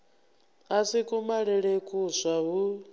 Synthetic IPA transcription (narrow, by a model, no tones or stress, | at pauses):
asikʼumaɺɛɺekʼusʷaɦu